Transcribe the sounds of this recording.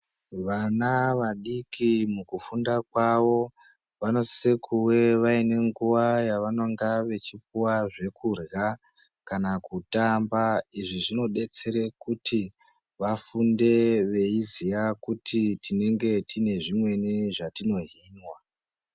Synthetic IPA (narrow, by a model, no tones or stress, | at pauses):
ʋanaʋaɗikʰimukufundakwaʋo̞ | ʋano̞sekʰuwe̞ʋaine̞ŋɡuʋajaʋano̞ŋɡaʋe̞t͡ʃip̚uwaʐe̞kurja | kanakutambaiʐiʐino̞ɗe̞t͡se̞ɾekuti | ʋafunde̞ʋe̞izijakutʰitine̞ŋɡe̞tine̞ʐimwe̞niʐatino̞ɦiːnwa